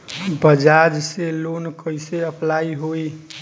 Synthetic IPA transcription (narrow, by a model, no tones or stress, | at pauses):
bəd͡ʒad͡ʒselonkəjseəpʰlaiɦoi